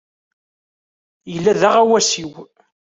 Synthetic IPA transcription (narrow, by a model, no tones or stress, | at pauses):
jəlːæðaʁæwæsiw